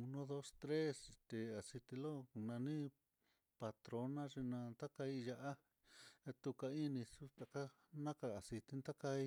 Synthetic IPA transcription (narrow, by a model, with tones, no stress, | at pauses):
u˧nõ˦ðo˦st̪ɾe˦st̪e˧a˨si˧t̪i˧lo˦˨nã˧nĩ˦ | pa˧t̪ɾo˧nã˦ʐi˧nã˧nd̪a˦ka˧i˧ja˧ʔa˦ | e˧t̪u˧ka˧i˦nĩ˧su˦t̪a˨ka˦ | nã˦ka˧a˨si˧t̪i˧˦nd̪a˦ka˧i˦